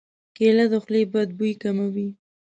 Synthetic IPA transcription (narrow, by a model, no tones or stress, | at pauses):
kelad̪oxlebad̪̚bujkamawi